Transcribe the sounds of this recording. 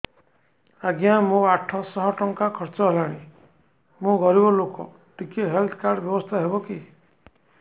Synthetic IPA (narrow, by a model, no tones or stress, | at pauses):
aɡjamũaʈʰːɔsɔɦɔʈɔŋkakʰɔɾt͡ʃɔɦelaɽ̃i | mũɡɔɾibɔlokɔ̰ | ʈikeɦelt̪ʰɔ̥kaɾɖɔbjɔbɔst̪ʰaɦebɔki